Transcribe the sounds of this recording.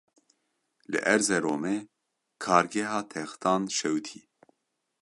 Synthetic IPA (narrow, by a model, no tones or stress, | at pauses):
lɨ̰ʔɛɾzɛɾoːmɛ | kʰɑːɾɡɛɦɑːt̪ʰɛxt̪ʰɑːnʃɛwt̪ʰḭː